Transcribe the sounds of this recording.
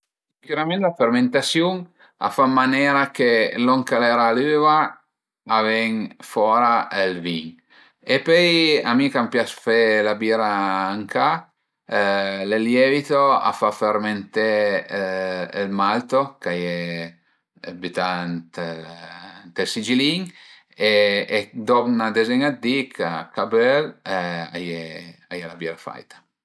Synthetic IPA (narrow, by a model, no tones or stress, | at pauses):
kuɾamenlaferment̪asjuŋ | a̰famːanɛːɾakeloŋkalɛɾalyːvaː | vɛŋfɔːɾaelviŋ | epøjamikampjasfelabiːɾaːŋka | leljɛvit̪oa̰faferment̪e | lmalt̪okaje | bit̪ant̪ | nt̪elsid͡ʒiliŋ | eː | d̪oknad̪ezɛɲad̪ikʰakabɛla̰jeajelabiɾafa̰jt̪ḁ